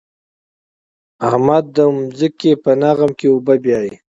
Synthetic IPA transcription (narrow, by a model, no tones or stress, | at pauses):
ahmad̪ːəʊmzəkepənaɣamkeubabjɑːji